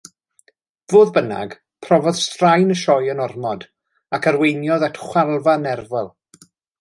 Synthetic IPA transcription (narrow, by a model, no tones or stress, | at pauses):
voːðbəna̰ɡ | pʰrɔvɔðstrajnəʃɔjənɔrmɔd | akʰaɾwejnjɔðɛtʰχwɛlˠvanɛrvɛlˠ